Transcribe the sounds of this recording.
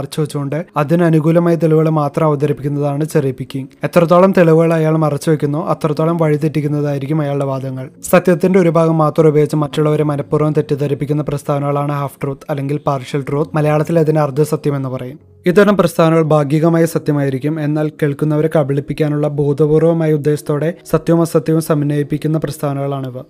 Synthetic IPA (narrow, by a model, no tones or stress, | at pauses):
rt͡ɕːuʋet͡ɕːuɣo̞ɳɖɨɐðinɐnuɣuːlɐmaːjɐt̪̬e̞ɭiʋɣɐɭmaːt̪rɐmɐʋɐd̪ɐɾipːikʲːunːɐðaːɳɨt͡ɕɐripːikʲːiŋet̪ːrɐt̪̬ːoːɭɐmt̪e̞ɭiʋɨɣɐɭɐjaːɭumɐrɐt͡ɕːuʋekʲːunːoːʔɐt̪rɐt̪ːoːɭɐmʋɐɻit̪̬etːikʲːunːɐðaːjiɾikʲːumɐjaːɭɨɖe̞ʋaːd̪ʱɐŋːɐɭsɐt̪jɐt̪ːinde̞oɾubʱaːɡɐmːaːt̪rɐubʱeːɡit͡ɕːɨmɐtːuɭːɐʋɐɾe̞mɐnɐpːuːrɐɐmt̪etːut̪ɐɾipːikʲːunːɐprɐst̪ʰaːʋɐnɐɣɐɭaːɳɨɦaːfʈroːt̪ɐlːe̞ŋɡilpaːrʂɐlʈroːt̪̚mɐlɐjaːɭɐt̪ːilɐðineɐrd̪ʱːɨsɐt̪jɐme̞nːɨpɐrɐjum | id̪ːɐnɐmprɐst̪ʰaːʋnɐɣɐɭbʱaːɡjɐɣɐmaːjɐsɐt̪jɐmaːjiɾikʲːume̞nːaːlkeːɭkunːɐʋɐɾe̞kɐbiɭipːikʲːaːnuɭːɐbʱuːd̪ʱɐbuːrʋɐmaːjɐud̪ːe̞ːɕɐ̥t̪ːo̞ːɽe̞sɐt̪jɐʋɐmɐsɐt̪jɐʋɐmsɐmnːɐjipːikʲːunːɐprɐst̪ʰaːʋnɐɣɐɭaːɳiʋɐ